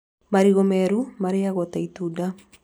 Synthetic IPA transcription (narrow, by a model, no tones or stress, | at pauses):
maɾiɣɔmɛɾumaɾijaɣɔt̪ait̪uda